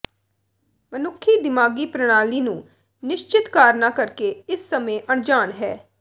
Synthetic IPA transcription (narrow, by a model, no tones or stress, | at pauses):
mənʊkʰːiːd̪ɪmaːɡiːpɾəɽ̃aːliːnũː | nɪʃt͡ʃɪt̪kaːɾnaːkəɾkeːɪsːəmẽːʔəɳd͡ʒaːɳɦɛː